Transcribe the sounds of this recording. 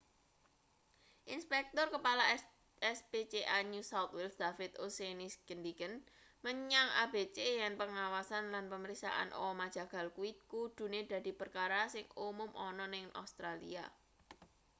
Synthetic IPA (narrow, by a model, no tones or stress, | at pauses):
ʔinspɛk̚t̪ɔrkəpala | ɛspet͡ʃeʔaɲusawt̪wɪlsd̪̥afɪt̪osenisɡ̥ənd̪ikən | məɲaŋa̰b̥et͡ʃejanpəŋawasanlanpəməɾiksa̰ʔa̰nʔɔ̰mad̥ʒ̥a̤ɡ̥a̤lkuɪt̪̚kud̪̥ṳned̪̥a̤d̪̥i̤pərkaɾasɪŋumʊmʔɔnɔnɪŋa̰st̪ɾalḭa̰